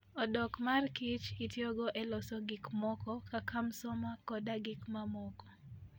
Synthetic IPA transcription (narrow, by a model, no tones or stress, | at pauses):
ɔdɔkmarkɪt͡ʃɪtjɔɡɔʔɛlɔsɔɡɪkmɔkɔkakamsɔmakɔdaɡɪkmamɔkɔ̥